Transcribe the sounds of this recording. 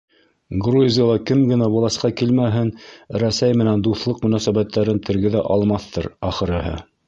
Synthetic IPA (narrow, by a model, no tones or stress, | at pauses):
ɡruzʲɪjɑlˠɑkɘmɡɘ̆næbulˠɑsqɑkilmæɦɘnɾæsæjmɘ̆nænd̪uθlˠɤqmɵ̆næsæβæt̪ːæɾɘnt̪ɘ̆ɾɡɘ̆ðæʔɑlˠmɑθt̪ɤɾɑχɤ̆ɾɘ̆ɦɤ̰